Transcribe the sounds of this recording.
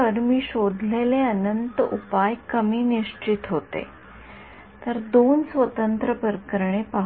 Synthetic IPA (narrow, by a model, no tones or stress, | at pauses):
əɾmiːɕod̪ʱleleənənt̪upajkəmiːniʂt͡ɕit̪ɦot̪ḛ | t̪əɾd̪onsʋət̪ənt̪ɾəpəɾkəɾɳ̃epaɦ